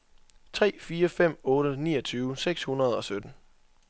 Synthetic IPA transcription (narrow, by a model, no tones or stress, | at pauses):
t͡sʰʁɛ̰ːfiːɐfem̰ɔ̽ːɾənḭːʌɒt͡sʰyːʊseɡ̥shunɐð̞ˠɒ̽sød̥n̩